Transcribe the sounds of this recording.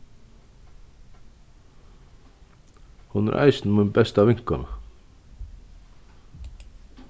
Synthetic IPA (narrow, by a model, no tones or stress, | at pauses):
hunɛ̰ɾʔa̰jsnmunbɛst̪avɪŋ̥kana